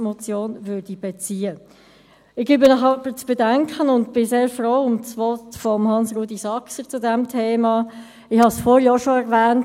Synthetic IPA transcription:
mɔt͡sjoːnvʏːɾd̥ib̥ɛt͡siːə | ɪɡ̥ybɪnɑχɑpət͡sb̥ɛdæŋkʰχənʊntb̥ɪseːɾfɾoːʊmt͡svɔtfɔmhɑnsɾuːdisɑksət͡sʊdæmtʰeːmɑː | ɪhɑsfɔːɾjɑːʃoɛɾvæːnt

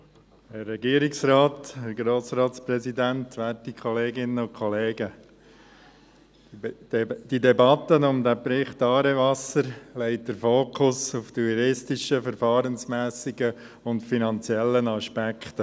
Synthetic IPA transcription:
hɛrːɛɡiːəɾɪksɾɑːt̪hɛɾɡɾoːsɾɑːtspɾɛzidæntʋæːtikʰχɔleːɡɪnəʊnkʰɔleːɡə | d̥idɛbɑt̪ːənʊmd̪æpɾɪχtɑːɾɛʋɑsəɾlɛɪt̚dəɾfoːkʰʊsuftuəɾɪstɪʃəfəɾfɑːɾənsmæːsɪɡə | ʊntfinɑnt͡siɛlːənɑʃpækʰtə

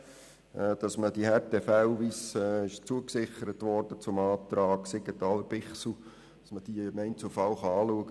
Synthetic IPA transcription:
ʔd̥ɑsməd̥ihɛteːfæʊʋisɪʃt͡suəksɪχəɾətʋɔɾd̥ət͡sʊmɑːt̪ɾɑːɡsɪɡətɑləb̥ɪχsl̩ | d̥ɑsməd̥imɛɪntt͡sufɑwχɑɑːluəɡə

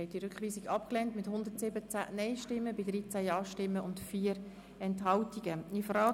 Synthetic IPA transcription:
ɛtdiɾʏkχʋiːsɪɡɑpklɛntmɪthʊnd̪əɾtsɪbət͡sæ̰nɛɪʃtɪmːəbidɾiːt͡sæjɑːʃtɪmːəʊntfiːəɾ | ɛntɦɑltiɡ̥əifəɾɑː

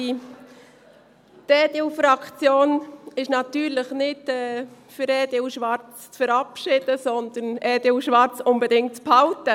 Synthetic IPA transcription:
i | tɛːdɪʊfɾɑkt͡sjoːnɪʃnɑt̪yːɾləχnɪdɛfʏɾɛːdɪwʃʋɑrt͡st͡sfəɾɑpʃɪd̥əsɔnd̪ənɛːd̥eɪʊʃʋɑɾt͡sʊnbɛdɪŋtt͡sphaʊtə

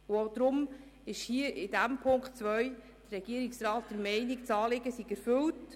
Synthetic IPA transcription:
ʊoʊd̥̪ɾʊm | ɪʃhiːəʔɪdæmpʰʊŋkχtt͡sʋœʏ | d̥ərɛɡ̥iəɾɪksrɑːt̚d̥̪əɾmɛɪnɪkt͡sɑːlɪɡəsiɡ̥æɾfɵlt

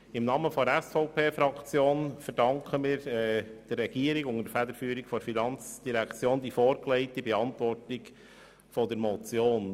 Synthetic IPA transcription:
ɪmnɑːməfɔdəɾæsfɔʊpeːfɾɑkt͡sjoːnfəɾdɑŋkχəmiːɾɛd̥əːɛɡ̥iːəɾikʊŋədəfæd̪əɾfyːəɾikfɔɾfinɑnt͡sd̥iɾækt͡sjoːnd̪ifoːɾklɛɪtibɛɑntʋɔrtɪk | fɔdəɾmɔt͡sjoːn

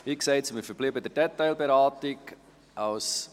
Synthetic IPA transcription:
ikseɪt͡smɪfəɾb̥libədɛɾdɛtaɪlbeɾaːtɪk | ʔaws

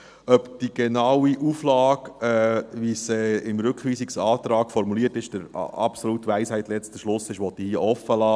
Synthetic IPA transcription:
œpd̥iɡ̥enɑwiʔuːflɑːkɛːʋisɛːɪmɾɵkʰʋiːsiksɑːt̪ɾɑːkfɔɾmuliətɪʃd̥əɾ̰ɑ̰psolutʋæɪshæɪt̪lɛt͡stəʃlʊsɪʃʋɔt̪ːihiəʔɔfːəlɑː

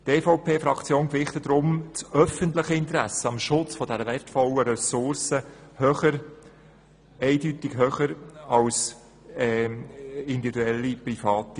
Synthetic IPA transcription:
teːfoʊpʰeːfɾɑkt͡sjoːnkvɪχt̪əd̥ɾʊmt͡sœfəntləχəɪnt̪ɾæsəɑmʃʊt͡sfɔdɛɾəvɛrtfɔləɾɛsʊɾsəhøχəɾ | ɛɪdytɪɡ̥ɦøːχəɾɑls | ɛ | ɪnd̪ivid̪uɛlːiprifɑːti

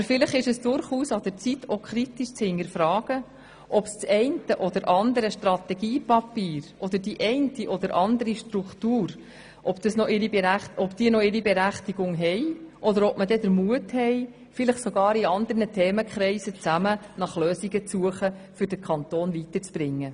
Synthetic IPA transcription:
ɑbəɾfɪləχɪʃəsd̥ʊɾχuːsɑd̥əɾt͡sitːʰokʰɾitiʃt͡shɪŋəɾfɾɑːɡ̥ə | ʔɔpst͡sɛɪntəʔɔd̪əɾʔɑnd̪əɾəʃtrɑt̪ɛɡiːpɑpiːɾʔɔd̪əɾdiʔɛɪntiʔɔd̪əɾʔɑnd̪əɾiʃtɾukt̪uːɾ | ʔɔpd̥əsnɔʔɪɾibeɾæχɔbd̥iːənɔɪɾibɛɾæχt̪iɡ̥ʊŋɦɛjʔɔd̪əɾɔp̚mədɛd̪əɾmuəthɛj | fɪləχsɔɡɑːɾiɑnd̪ərnətʰɛːməkχɾɛɪsət͡sæmənɑχløːsiɡət͡suəχəfʏɾdəkʰɑnt̪oːnvitəɾt͡sb̥ɾɪŋːə

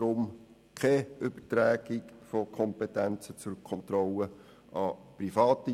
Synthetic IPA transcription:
ɾʊm | kʰɛʏb̥ətɾæːɡ̥ikfɔkʰɔmpɛtænt͡sət͡sʊɾkʰɔnt̪rɔlə | ɑprifɑːt̪ə

